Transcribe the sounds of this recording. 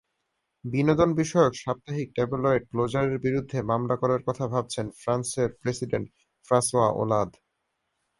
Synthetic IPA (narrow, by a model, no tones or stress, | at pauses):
binod̪onbiʃɔeokʃap̚t̪aɦik̚ʈebulɔeɖ̚klod͡ʑaɾeɾbiɾud̪ʱːemamlakoɾaɾkɔt̪ʰabʱab̚t͡ɕʰenfɾanseɾpɾesiɖeɳʈ | fɾasoaʔo̰lad̪